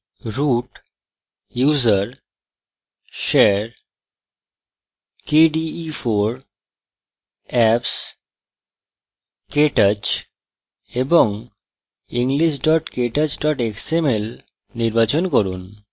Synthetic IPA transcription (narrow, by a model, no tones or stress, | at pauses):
ɾuʈ | juzəɾ | ʃeɾ | keɖiːfʰoɾ | ɛps | keʈət͡ɕ | eboŋ | iŋɡliʃɖɔʈkeʈət͡ɕɖɔʈeksemel | niɾbat͡ɕɔnkɔɾun